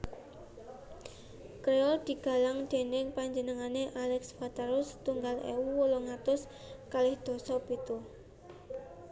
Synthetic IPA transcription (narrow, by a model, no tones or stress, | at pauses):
kɾeɔld̪̥i̤ɡ̥a̤laŋd̪̥e̤nɪŋpaɲd͡ʒənəŋaneʔalɛksfat̪aɾʊst̪uŋɡalʔḛuwoloŋat̪ʊs | kalɪhd̪̥ɔ̤sɔpit̪u